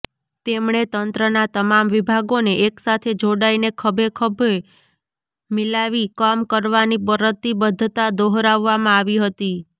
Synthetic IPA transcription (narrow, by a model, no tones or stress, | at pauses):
t̪emɳet̪ənt̪ɾənat̪əmamʋibʱaɡoneʔeksat̪ʰed͡ʒoɽainekʰəbʱekʰəbʱe | milaʋikamkəɾʋanipəɾət̪ːibəd̪ʱːt̪ad̪oɦɾaʋːamãaʋiɦət̪i